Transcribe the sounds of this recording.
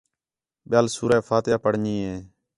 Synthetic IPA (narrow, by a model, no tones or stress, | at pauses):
ɓjaːlsuːɾɛːfʰaːt̪jaːpəɽ̤ɲiːɦẽː